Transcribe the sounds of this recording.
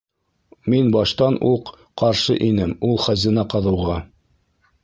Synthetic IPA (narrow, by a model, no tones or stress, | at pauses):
minbɑʃt̪ɑnʔuq | qɑɾʃɤ̰ʔinɘmulˠχæzinɑqɑðɤ̆wʁɑ